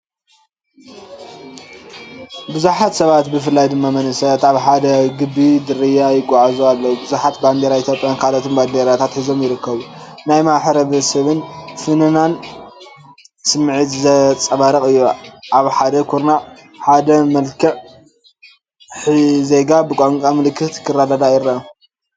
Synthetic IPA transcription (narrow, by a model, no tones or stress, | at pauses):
bɨzuħat̪sɐβat̪bɨfɨlːajd̪ɨmːamɐnɨsɐt̪aβħad̪ɐɡɨbːid̪ɨɾɨjajɪɡʼːaʕazualːɐwubɨzuħat̪band̪eɾait̪ʰjopʼjankʰalot̪ʰomband̪eɾat̪ʰat̪ħizo̞mjɪɾɨkːɐβunajmaħɾɐβɐsɐβɨnfɨnɨnan | sɨmʕit̪zɐt͡sʼɐβaɾɐkʼɨjːuʔaβħad̪ɐkʰuɾnaħad̪ɐmɐlkʰɨʕ | ze̞ɡabɨkʼoŋkʼamɨlɨkʰːɨt̪kʰɨrːad̪ad̪ajɪɾːaɐ